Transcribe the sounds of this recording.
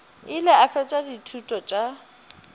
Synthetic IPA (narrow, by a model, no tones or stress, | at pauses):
ɪlɪafɛt͡ʃʼaditʰutʼɔt͡ʃʼa